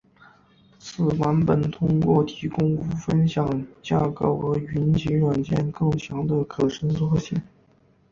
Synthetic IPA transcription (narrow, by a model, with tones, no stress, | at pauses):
t͡sʰɹ̩˨˩wa˧˥npə˨˩nt̪ʰʊ˥ŋkwɔ˥˩t̪ʰi˧˥kʊ˥ŋu˥fə˥nɕjɑ˨˩ŋt͡ɕja˥ko˥˩ʊxɤ˧˥y˧˥nt͡ɕi˧˥ɻwa˨˩nt͡ɕjɛ˥˧nkɤ˥˩ŋt͡ɕʰjɑ˧˥ŋd̪ə˧kʰɤ˨˩ʂə˥ŋt͡swɔ˥˧ɕi˥˩ŋ